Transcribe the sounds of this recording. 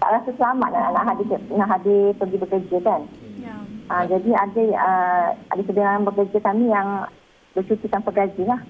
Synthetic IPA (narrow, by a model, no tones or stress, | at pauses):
t̪a̰ʔɾasusəlamaʔnanaʔɦadɪnaʔɦadɪpəɡibəkəd͡ʒəkan | ʔəd͡ʒadiadəəʔadəsədəŋanbəkərd͡ʒakamĩjaŋ | bət͡ʃut̪ikanpəɡad͡ʒilah